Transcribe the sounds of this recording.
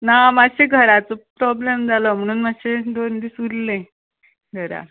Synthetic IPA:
namaɕeɡʱəɾat͡sopɾɔblemd͡zalɔm̤əɽ̃uːnmaɕed̪ond̪iːsuɾlẽ | ɡʱəɾa̰

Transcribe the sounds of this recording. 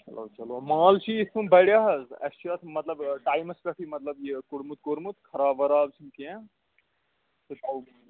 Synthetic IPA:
hɐ̰lo̰ːt͡ʃɐloɐmaːlt͡ʃʰiːsʰubɐɽjaɦɐzɐ̰st͡ʃʰjɐt̪ʰmɐt̪lɐbɖaːjmɐspɐʈʰimɐt̪lɐbjikuɾmut̪̚koɾmut̪kʰɐɾaːbɐɾaːbt͡ʃʰinkẽ | t̪ɨt̪ɐw

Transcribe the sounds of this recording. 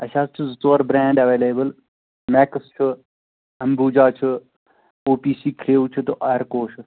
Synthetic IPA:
ɐʃaːst͡ʃʰuzt̪oːɾbɾɛ̃ːɳɖɐʋeːleːbəl | mɛːkst͡ʃʰu | ɐmbuːd͡ʒaːt͡ʃʰu | oːpiːsiːkʰɾeːut͡ʃʰut̪ɨʔaːjɾkoːʃɨ

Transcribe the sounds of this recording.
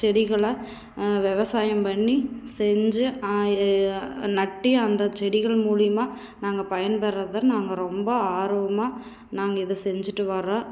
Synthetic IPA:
t͡ʃɛɽɪɣɐɭɐ | ʋɛʋɐsaːjɐmpɐɳːisɛɲd͡ʒɯ | nɐʈːiɐnd̪ɐt͡ʃɛɽɪɣɐɭmuːɻɪjɐmaː | naːŋɡɐpɐjɐnpɛɾːɐðɐnaːŋɡɐɾɔmbɐaːɾɯʋɐmaː | naːŋɡɐɪðɯsɛɲd͡ʒɯʈːɯʋɐɾãː

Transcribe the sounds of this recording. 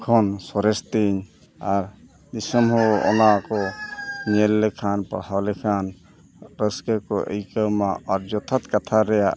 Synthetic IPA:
kʰɔnsɔɾɛst̪iɲ | aɾ | d̪isɔmɦɔɔ̰nakɔɲɛlːɛkʰanpa̰hawlɛkʰan | ɾəskəkɔʔə̰jkəwmaʔaɾd͡ʒɔt̪ʰat̪kat̪ʰaɾɛjaʔ

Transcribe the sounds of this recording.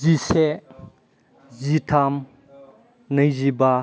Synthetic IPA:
zisɛ | zitʰam | nɐjziba

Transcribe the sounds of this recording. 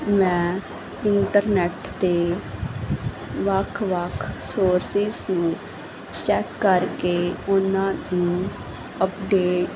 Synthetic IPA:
mɛ̃ː | ɪɳʈəɾnɛːʈt̪eː | ʋəkʰʋəkʰsoːɾsɪsnũː | t͡ʃɛːkːəɾkeːʊnãːnũː | əpɖeːʈ

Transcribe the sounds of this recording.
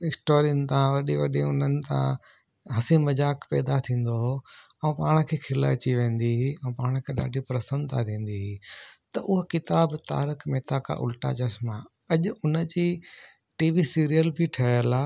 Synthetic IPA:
ɪksʈoːɾɪənt̪ãʋɐɗiʋɐɗiʊnənɪ̆t̪ã̰ | ɦɐsĩmɐd͡ʑaːkpɛːd̪at̪ʰĩːn̆d̪oɦo | ɛ̃ũpaːɽ̃̆kʰeːkʰɪlaɐt͡ɕiʋẽːn̆d̪iɦiɛ̃ːpaːɽ̃kʰeːɗa̰ːɖʱipɾɐsə̃nd̪t̪ʰat̪ʰĩːn̆d̪iɦit̪ɐʔʊɦkɪt̪aːbt̪a̰ːɾɪkmeːt̪akʰa̰ʔʊ̰lʈa̰t͡ɕɐsma | ɐʄʊʊnə̆d͡ʑiː | ʈiːʋisiːɾijəlbʱiʈʰɐəlaː

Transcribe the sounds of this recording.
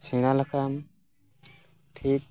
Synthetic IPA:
siŋalakʰam | tʰit̚

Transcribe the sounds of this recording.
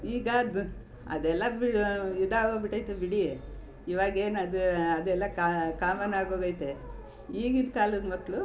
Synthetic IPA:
iːɡad̪u | ɐ̰d̪ɛlːɐbiɽjud̪ːaːɡoːbiʈɐjt̪ebiɽi | iʋaːɡeːnɐd̪uɐd̪ɛlːɐkakaːmɐnaːɡoːɡɐjt̪e | iːɡind̪kaːlud̪mɐkːɭu

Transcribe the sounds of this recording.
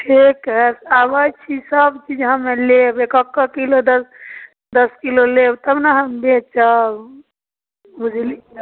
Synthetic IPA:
ʈʰikɦɛsabət͡ʃʰisəbt͡ʃid͡ʒɦəmelebekəkːakilod̪əs | d̪əskilolebt̪əbnaɦəmbet͡ʃa | bud͡ʒʱli

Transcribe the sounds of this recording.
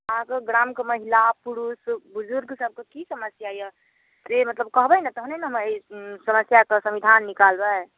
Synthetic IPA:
akeɡɾamkeməɦilapuɾusbuzuɾɡsəb̚ʱkekisəməsjajɛ | d͡ʒemət̪ləb̚kəɦbɛnɛt̪ɔɦunenəɦmesəməsjakesəmid̪ʱanːikalbɛ

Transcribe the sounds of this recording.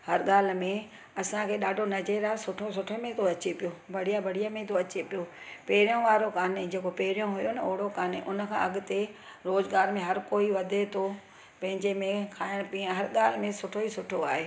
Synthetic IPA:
hɐɾɠaːl̤̆mẽ | ɐsãkʰeːɗaːɖʱonɐd͡ʑeːɾaːsʊʈʰosʊʈʰemẽt̪ʰoɐt͡ɕepijobʱɐɽ̤ijabʱɐɽ̤ijamẽt̪ʰoɐt͡ɕepijopeːɾijõʋaːɾokaːned͡ʑeːkopeːɾjõɦʊjonɐoːɦɽokaːneʔʊnəkʰãɐɠʊt̪eɾoːzɡaːɾmẽɦɐɾkoːiʋɐd̪ʱet̪ʰo | pɐ̃ɦɪ̃ɲd͡ʑemẽkʰaːjəɽ̃piãɦɐɾɠaːl̤ɪmẽsʊʈʰoisʊʈʰoaːɦeː

